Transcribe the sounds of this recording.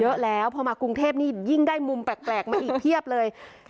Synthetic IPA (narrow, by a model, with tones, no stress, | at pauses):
ɤ˦˥ʔlɛː˦˥wpʰɔː˧maː˧ku˧ŋt̪ʰeː˥˩p̚niː˥˩ji˥˩ŋdaː˥˩jmu˧mpɛː˨˩k̚plɛː˨˩k̚maː˧ʔiː˨˩k̚t̪ʰi˥˩əp̚lɤː˧j